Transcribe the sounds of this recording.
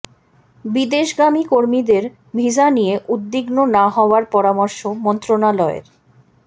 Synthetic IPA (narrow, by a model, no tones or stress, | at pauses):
bid̪eʃɡamikoɾmid̪eɾ | bʱid͡ʑanijeʔud̪ːiɡnonaɦɔoaɾpɔɾamɔɾʃomɔnt̪ɾonalɔḛɾ